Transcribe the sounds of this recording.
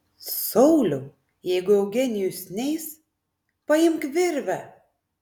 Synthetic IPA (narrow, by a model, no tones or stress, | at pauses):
sɔʊlʲʊ | jɛɪɡʊɛʊɡʲɛnʲɪjʊsʲnʲɛɪs | pɐɪmkʋʲɪɾʲʋʲɛ